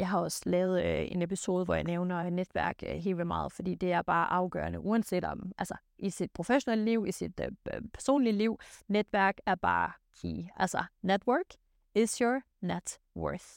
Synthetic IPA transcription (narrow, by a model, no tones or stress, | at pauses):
jɑ̈ɪɦɑ̈ɒ̽slɛːʊð̞̩ˠe̝nepʰiso̝ːð̞ˠʋɒjäneʊnɐned̥ʋæɐ̰ɡ̥ɦe̝̰ːlʋilmɑ̰̈ːð̞̩ˠfɒ̽d̥ḭːd̥e̝æɐb̥ɑ̈ːʔɑ̈ʊɡ̥ɶ̰ːɐnəʔuːænse̝̰ːd̥ɒd̥mʔælsɐ | ʔisid̥̚pʰʁo̝feɕoneləliʊ̰isid̥pʰæɐso̝̰ːnliliʊ̰ned̥ʋæɐ̰ɡ̥æɐb̥ɑ̰̈ːkʰḭːælsɐned̥wɜːɡ̥ | ɪsjɔ | ned̥ | wɜ̰˞θ